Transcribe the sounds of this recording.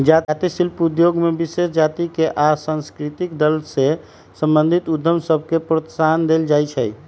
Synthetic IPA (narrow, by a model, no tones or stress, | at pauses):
d͡ʒat̪isilpud̪joɡmebisesd͡ʒat̪ikeʔasãnskɾit̪ikd̪əlse | sə̃mbənd̪ʱit̪ud̪ʱːəmsəb̚ʱkepɾət̪sand̪eld͡ʒajt͡ʃʰəj